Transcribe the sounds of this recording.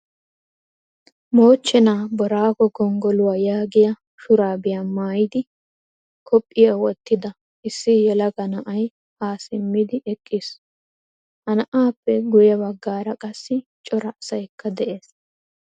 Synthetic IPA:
mo̞ːt͡ʃːɛnaːbɔɾaːɡɔɡɔŋɡɔlʊwaːjaːɡɪjɐ | ʃʊɾaːbɪjamaːjɪd̪ɪ | kʰɔpʼːɪjɐwɔt̪ːɪd̪ɐ | ɪsːɪjɛlɐɡɐnɐʔɐj | aːsɪmːɪd̪ɪʔɛkʼːɪs | hɐnɐʔaːpːɛɡʊjɐbɐɡːaːɾɐkʼɐsːɪt͡ʃʼɔɾɐːsɐjkːɐd̪ɛʔe̞ːs

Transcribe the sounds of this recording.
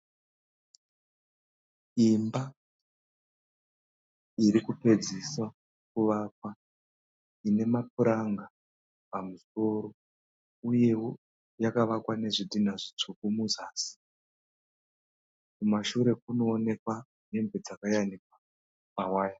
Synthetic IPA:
imba | iɾikupe̞d͡ziswa | kuʋakwa | ine̞map̚uɾaŋɡa | pamuso̞ɾo̞ | uje̞wo | jakaʋakwane̞ʐidinaʐit͡ʂukumuzaːsi̥ | kumaʃuɾe̞k̚uno̞ːne̞kwa | ne̞mbe̞d͡zakajanikwa | mawaːja

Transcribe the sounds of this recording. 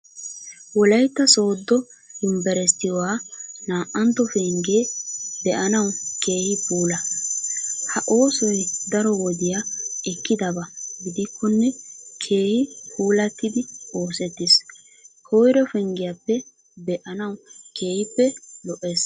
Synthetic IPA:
wɔlɐjt̪ːɐso̞ːd̪ːɔ | dʊmbɛɾɛst̪ːɪjwaːnaːʔːɐnt̪ːɔfɛŋɡeːbɛʔɐnɐwke̞ːhɪpuːlɐ | hɐʔo̞ːsɔjd̪ɐɾɔwɔd̪ɪjaɛkːɪd̪ɐbɐɡɪd̪ɪkʰːɔnːɛkʰe̞ːhɪpʰuːlɐt̪ːɪd̪ɪo̞ːsɛt̪ːɪs | hoːjɾɛfɛŋɡɪjɐpːɛ | bɛʔɐnɐwke̞ːhɪpːɛlɔʔeːs

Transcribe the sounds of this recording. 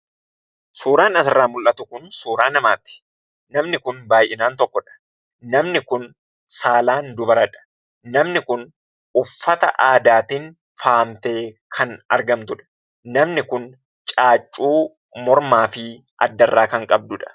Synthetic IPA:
suːɾaːnɐsɪrːaːmʊlʔɐt̪ʊkʊnsuːɾaːnɐmaːt̪ɪ̥ | nɐmnɪkʊnbaːjʔɪnaːnt̪ɔkːɔᶑɐ̥ | nɐmnɪkʊn | saːlaːnd̪ʊbɐɾɐᶑɐ̥ | nɐmnɪkʊn | ʊfːɐt̪ɐʔaːd̪aːt̪ɪn | faːmt̪e̞ːkʰɐnɐ̰ɾɡɐmt̪ʊᶑɐ̥ | nɐmnɪkʊn | t͡ʃʼaːt͡ʃʼːuː | mɔɾmaːfɪ | ʔɐ̰d̪ːɐrːaːkɐŋkʼɐb̚d̪ʊᶑɐ̥

